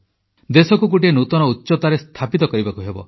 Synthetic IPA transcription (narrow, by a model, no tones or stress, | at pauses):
d̪esɔkuk̬uʈ̬ienut̪ɔnɔutːʃɔt̪aɾest̪ʰapit̪ɔkɔɾibakuɦebɔ̰